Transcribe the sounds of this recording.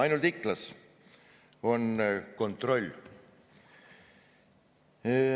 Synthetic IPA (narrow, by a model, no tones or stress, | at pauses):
ɑjnult̪iklɑs | o̞nko̞nt̪ro̞lʲː